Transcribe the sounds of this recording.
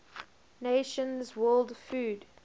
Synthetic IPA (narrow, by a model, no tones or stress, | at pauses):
neʃə̃nzwɜːlˠdfʉːd